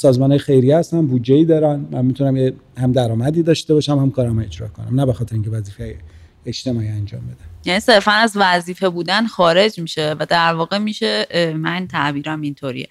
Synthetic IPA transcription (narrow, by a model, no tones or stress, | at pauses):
sɒːzmɒnɒjexe̞jɾijæst̪ænbuːd̪d͡ʒeiːd̪ɒːɾænmænmit̪ʰunæmjehæmd̪æɾɒːmæd̪iːd̪ɒːʃt̪e̞bɒːʃæmhæmkʰɒːɾæmed͡ʒɾɒ̰ːkʰo̞̰næ̰mnæbe̞xɒt̪ʰeɾeiŋcʲʰevæziːfee | et͡ʃt̪e̞mɒːiːænd͡ʒɒ̰ːmbed̪ænjæniːse̞ɾfænæzvæziːfe̞buːd̪ænxɒːɾe̞d͡ʒmiːʃevæd̪æɾvɒːɣe̞miʃemænt̪ʰæʔbiːɾæmint̪ʰoɾḭḛ